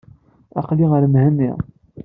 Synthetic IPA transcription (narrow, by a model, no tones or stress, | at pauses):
ɑ̰qliəɾmɦænːḭʁ